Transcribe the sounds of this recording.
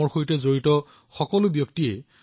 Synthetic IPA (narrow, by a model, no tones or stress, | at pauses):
ɔɹxojtɛzoɹitɔ | xɔkɔlʊbjɔktiɛ